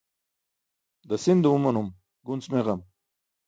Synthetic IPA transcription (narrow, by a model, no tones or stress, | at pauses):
d̪əsind̪uumɐnum | ɡunsmeʁɐm